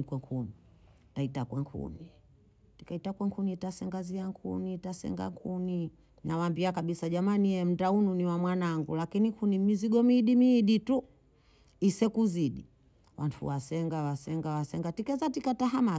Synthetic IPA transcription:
kwɛŋkʰuni | taitakwɛŋkʰṵni | ti̥kaitakwɛŋkʰunitasɛŋɡaziaŋkʰṵnitasɛ̰ŋɡa̰ŋkʰuni | nawambiakaɓisaʄamanijɛm̩daununiwamwanaŋɡulakinikʰunimiziɡɔmiːɗimiːɗitu | isɛkuziɗi | wantʰṵwasɛŋɡawasɛŋɡawasɛŋɡatikɛzatikataɦama

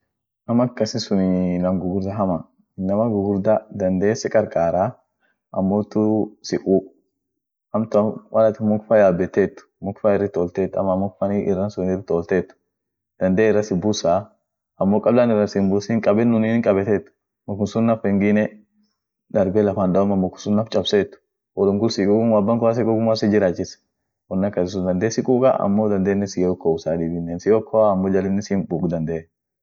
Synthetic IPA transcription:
nɐmɐkːɐsɪsʊninɐmɡʊɡʊɾd̪ɐɦɐmɐ | ɪnːɐmɐɡʊɡʊɾd̪ɐd̪ɐnd̪eːsɛkʼɐɾkʼaːɾaː | ʔɐmːoːt̪ːʊsɪkʼuː | hɐmt̪ʊwɐlɐt̪ɪmʊkfɐjaːbɛt̪ːeːt̪ːʊ̥mʊkfaɪrːɪt̪oːlt̪eːt̪ːɐmɐmʊk̚fɐniʔɪrːɐnsʊnɪrɪt̪oːlt̪eːt̪ːʊ̥ | d̪̥ɐnd̪eːɪrːɐsɪbʊsaː | ɐmːoːkʼɐblaːnɪrːɐsɪnbʊsɪŋkʼɐbɛnːʊniːŋkʼɐbɛt̪eːt̪ːʊ̥ | mʊkʊsʊnːɐfɛŋɡɪnɛ | d̪ɐɾbelɐfand̪ɐɔmɐmːʊkʊ̥nsʊnːɐft͡ʃʼɐbseːt̪ːʊ̥ | wɔlʊŋɡʊlsiːkʼukʊnwabːɐŋkʊas̬ɛkɔɡʊmasɛd͡ʒɪɾaːt͡ʃːɪs | wɔnːɐkːɐsɪs̬ʊd̪ɐnd̪eːsɪkʼuːkʼɐ̰ʔɐ̰mːoːd̪ɐnd̪eːnːɪsɪjɔkːoʊsaːd̪iːbɪnːensɪjokʰːoaːmːoːd͡ʒɐlɪnːɪsimbuːkd̪ɐnd̪e

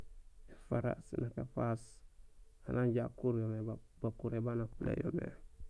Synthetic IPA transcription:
efaɾa̰sinakafas | anaɲɟakuɾjome | bakuɾebanafulḛjo̰mḛ

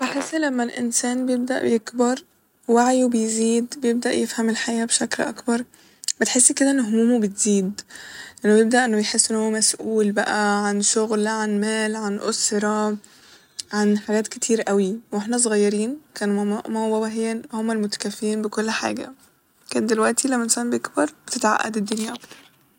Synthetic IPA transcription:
b̥eħesːlæmːælʔɪ̰nsæːnbejeb̚d̪æ̰ʔjekbɑɾˤ | waʕjubejziːd̪bejeb̚d̪æʔjefhæmelħajːæbeʃæklʔɑ̰kbɑɾˤ | bet̪ħesːked̪æʔenːoɦomuːmobet̪ziːd̪ʔenːobjeb̚d̪æʔenːobejħesːʔenːhowːæmæsʔuːlbæʔæʕanʃoɣlʕanmæːlʕanʔo̰sɾˤɑ | ʕanħaɡæːt̪ket̪ʰiːɾʔæwiweħnæs̬ˤoɣɑjːɑɾiːnkæːnæʔmæbæbæɦeːnhomːælmot̪æ̥kæfːiːnbekolːħa̰ːɡæ̰ | kæːnd̪elwæʔt̪ilæmːæʔensæːmbeekbɑɾˤbet̪et̪ʕa̰ʔːæ̰d̪ed̪ːonjæʔɑkt̪ɑɾˤ

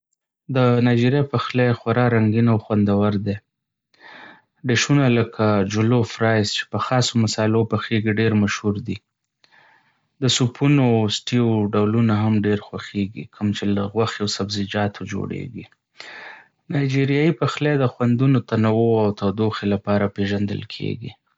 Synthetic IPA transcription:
d̪ənɑjd͡ʒiɾjapaxlexwaɾɑɾaŋɡinawxwand̪awaɾd̪e | ɖeʃunaləkʰad͡ʒʊlofɾɑjst͡ʃe̥pəxɑsomasɑɪlopəxeɡiɖeɾmaʃhuɾd̪i | d̪əsupʰunosʈioɖawlunaɦamɖeɾxwaxeɡikʰəmt͡ʃelaɣwaxeawsabzɪd͡ʒɑt̪ʰod͡ʒo̰ɽḛɡi | nɑjd͡ʒiɾjɑjipaxled̪əxwand̪unot̪anawoawt̪awd̪oxelapɑɾapeʒand̪ə̰lkʰḛɡḭ

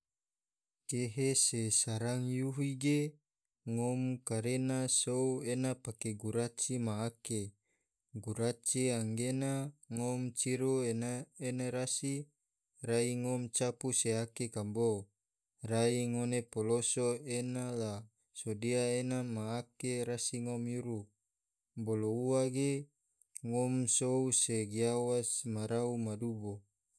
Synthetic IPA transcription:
keɦesesaɾaŋjuɦiɡe | ŋomkaɾenasouenapakeɡuɾat͡ʃimaːke | ɡuɾat͡ʃiaŋɡenaŋomt͡ʃiɾoenaenaɾasi | raiŋomt͡ʃapuseakekambo | raiŋonepolosoenala | sodiaenamaːkeɾasiŋomjuɾu | bolouaɡe | ŋomsouseɡiawasmaɾaumadubo

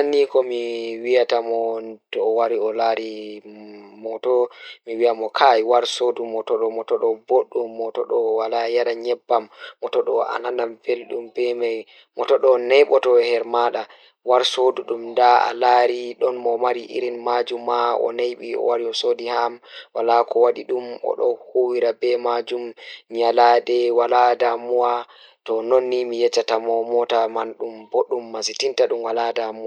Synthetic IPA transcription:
anːikɔmiwijatamɔtɔːwaɾiɔlaɾi | mɔtɔmiwiamɔkʰajwaɾsodumɔtɔɗɔmɔtɔɗɔboɗːumːɔtɔɗɔwalajaɗaɲɛbːamːɔtɔɗɔa̰nanamfelɗumpɛmaj | mɔtɔɗɔnɛjɓɔtɔhɛɾmaɗa | waɾsoduɗumdaa̰laɾiɗɔnmɔmaɾiʔḭɾinmad͡ʒumːaɔ̰najɓiɔ̰waɾiɔsodihamwalakɔwaɗiɗumɔ̰ɗɔhowiɾabɛmad͡ʒumɲaladɛwaladamuwa | tɔnɔnːimijɛt͡ʃːatamɔmɔtamanɗumboɗumːasitintaɗumwaladamuwa

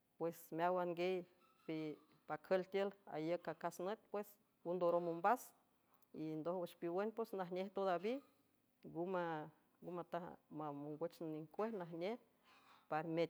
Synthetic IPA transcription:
pwesmeawaŋɡej | pi | pakʰəlt̪jəla̰jəkakasnət̪̚pwes | und̪oɾomumbas | ind̪ohwat͡ʃpiwenpwesnaɦnʲeht̪od̪abi | ɡuma | ɡumat̪ahmamoŋɡʷwet͡ʃnniŋkʷehnaɦnʲeh | paɾmet̪

